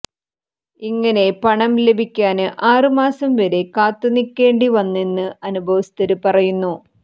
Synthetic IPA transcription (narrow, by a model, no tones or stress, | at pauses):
iŋːɐne̞pɐɳɐmle̞bʱikʲːaːnɨʔaːrɨmaːsɐmʋɐɾe̞kaːt̪ːunikʲːe̞ːɳɖiʋɐnːenːɨɐnubʱɐʋɐst̪ɐɾɨpɐrɐjunːu